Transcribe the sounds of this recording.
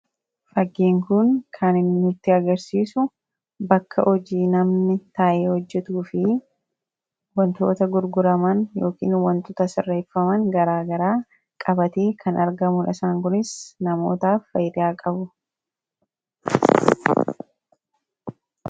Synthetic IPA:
fɐɡːiːŋkʊnkʰɐnɪnnːʊt̪ːɪɐɡɐɾsiːsʊ | bɐkːɐʔɔd͡ʒiːnɐmnɪt̪aːʔeːhɔd͡ʒːɛt̪uːfɪ | wɐnt̪o̞ːt̪ɐɡʊɾɡʊɾɐmɐnjo̞ːkḭːnwɐnt̪ɔt̪ɐsɪrːeːfːɐmɐŋɡɐɾaːɡɐɾaː | kʼɐbɐt̪e̞ːkʰɐnʔɐɾɡɐmʊnɐsaːŋkʊnɪsnɐmo̰ːt̪aːfːɐjd̪aːkʼɐbʊ

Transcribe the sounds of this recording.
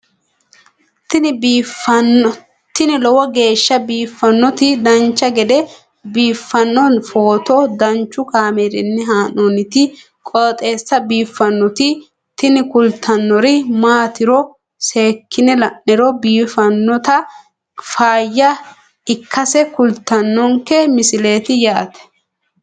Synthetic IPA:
t̪ɪnbfɐn | t̪ɪnɪlɔwɐɡe̞ːʃːɐbiːfːɐnːɔt̪ɪd̪ɐnt͡ʃːɐɡɛd̪ɛ | biːfːɐnːɔnfo̞ːt̪ɔd̪ɐnt͡ʃːʊkaːmɛɾɪnːɪɦaːnɔnɪt̪ɪ | kʼɔt̪ʼe̞ːsːɐbiːfːɐnːɔt̪ɪ | t̪ɪnɪkʊlt̪ʰɐnːɔɾɪmaːt̪ɪɾɔ | seːkːɪnɛlɐnːɛɾɔbiːfɐnːɔt̪ɐ | faːjːɐ | ɪkːɐsɛkʊlt̪ɐnːɔŋkɛmɪsɪle̞ːt̪ɪjaːt̪ɛ̥

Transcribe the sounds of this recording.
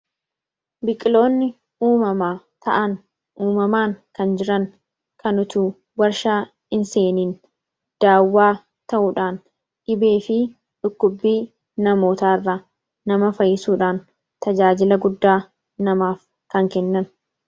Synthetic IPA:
bɪkʼɪlo̞ːnːɪ | uːmɐmaː | t̪ɐʔɐn | ʔuːmɐmaːŋkɐnd͡ʒɪɾɐŋ | kɐnʊt̪uː | wɐɾʃaː | ɪnseːniːn | d̪̥aːwːaː | t̪ɐʔuᶑaːn | ᶑɪbe̞ːfɪ | ᶑʊkːʊbːiː | nɐmo̞ːt̪aːɪrːaː | ɐmɐfɐjːɪsuːᶑaːn | t̪ɐd͡ʒaːd͡ʒɪlɐɡʊd̪ːaː | nɐmaːf | kɐŋkɛnːɐn

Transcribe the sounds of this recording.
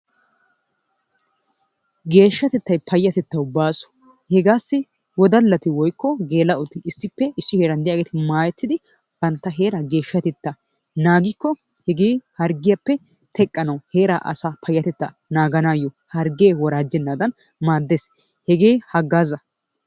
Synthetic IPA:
ɡe̞ːʃːɐt̪ɛt̪ːɐjpʰɐjːɐt̪ɛt̪ːɐwbaːsɔ̥ | hɛɡaːsːɪ | wɔd̪ɐlːɐt̪ɪwɔjkːɔɡe̞ːlɐʔʊt̪ːɪɪsːɪpːɛɪsːɪheːɾɐnd̪ɛjaːɡeːt̪ɪmaːjɛt̪ʰːɪd̪ɪ | b̥ɐnt̪ːɐɦe̞ːɾɐɡe̞ːʃːɐt̪ɛt̪ːɐ | naːɡɪkːɔ | hɛɡeːhɐɾɡɪjapːɛ | t̪ʰɛkʼːɐnɐwhe̞ːɾaʔɐ̰sapʰɐjːɐt̪ɛt̪ːɐ | naːɡɐnaːjːɔ | hɐɾɡeːwɔɾaːd͡ʒɛnːad̪ɐn | maːd̪ːeːs | hɛɡeːhɐɡːaːzɐ

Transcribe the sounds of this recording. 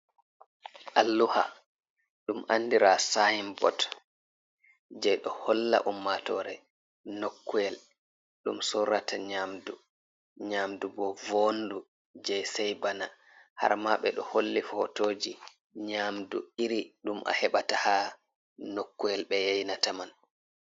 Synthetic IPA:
ʔalːuha | ɗumʔandiɾasajimbɔ̰t | d͡ʒɛjɗɔhɔlːa̰ʔumːatɔɾɛ | nokːujɛl | ɗumsɔɾataɲamdu | ɲamdubɔvondu | d͡ʒɛjsɛjbana | ha̰ɾmaɓɛɗɔholːifɔhɔtoːd͡ʒi | ɲamduiɾiɗumʔa̰hɛɓataha | nokːujɛlɓɛjajnataman

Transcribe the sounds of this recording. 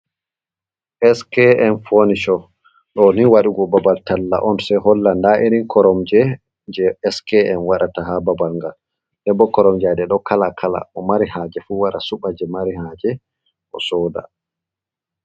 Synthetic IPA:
ʔɛskɛɛnfoniʃɔ | ɗɔniwaɗuɡɔbabaltalːa̰ʔɔnsɛɦɔlːandaʔiɾinkʰɔɾɔmd͡ʒɛ | d͡ʒɛɛskɛɛnwaɗataɦababalŋɡal | dɛbɔkɔɾɔmd͡ʒadɛɗɔkalakʰala̰ʔɔmaɾihad͡ʒɛfuwaɗa̰suɓad͡ʒɛmaɾihad͡ʒɛ | ʔɔ̰sɔːda̰

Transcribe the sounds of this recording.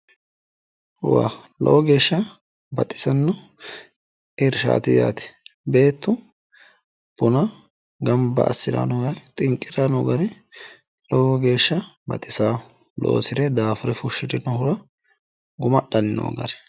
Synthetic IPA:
wa̰ːlɔ̰wɔɡe̞ːʃːɐ | bɐt̪ʼːɪ̥sɐnːɔ | ʔɪɾʃa̰ːt̪ɪja̰ːt̪ɛ̥be̞ːt̪ːʊ | b̥ʊnɐ | ɡɐmbɐ̰ːsːɪɾa̰nɔɡɐɾt̪ʼɪŋkʼːɪɾanɔɡɐɾɛ | lɔwɔɡe̞ːʃːɐbɐt̪ʼːɪsaː | lo̰ːsɪɾɛd̪aːfɔɾɛfʊʃːɪd̪ɪnɔhʊɾɐ | ɡʊmɐɗɐnɪno̰ːɡɐɾɛ̥

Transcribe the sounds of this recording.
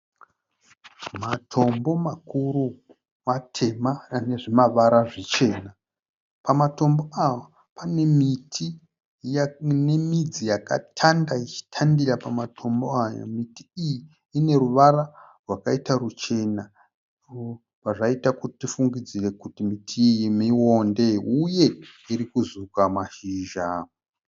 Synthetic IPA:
matʰo̞mbo̞makuɾu | matʰe̞mane̞ʐimaʋaɾaʐit͡ʃe̞ːna | pamato̞mbo̞awa | pane̞mitʰi | ne̞mid͡zijaka̰tʰandait͡ʃi̥tʰandirapamatʰo̞mboajo̰mitiːjiː | ne̞ɾuʋaɾarwakaitarut͡ʃe̞na | paʐaitakuti̥tifuŋɡid͡zire̞kutimitʰijimiwo̞nde̞uje̞iɾikuzukamaʃiːʒa

